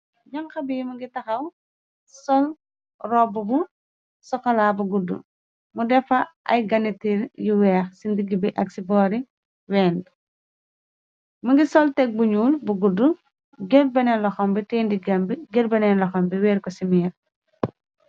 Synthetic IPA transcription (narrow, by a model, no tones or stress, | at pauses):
ɲɐŋxɐbijmɐɡitɐxɐw | sɔl | rɔbːubu | sɔxɐlabuɡudːṵ | mudɛfɐʔɐ̰jɡɐnitiɾjuwɛːxsindiɡːibiʔɐksibɔːɾi | wɛːnd | mɐɡisɔltɛk̚buɲuːlbuɡudːu | ɡɛr̚bɛnɛnlɔxɔmbiteːndiɡɐmbiɡɛɾbɐnɛnlɔxɔmbiwɛːɾkɔsimir